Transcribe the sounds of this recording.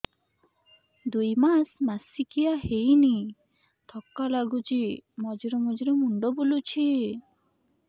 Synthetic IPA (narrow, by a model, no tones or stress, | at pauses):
d̪ujmasmasikijaɦejni | t̪ʰɔkːalaɡut͡ʃimɔd͡ʒiɾɔmud͡ʒiɾemuɳɖɔbulut͡ʃʰi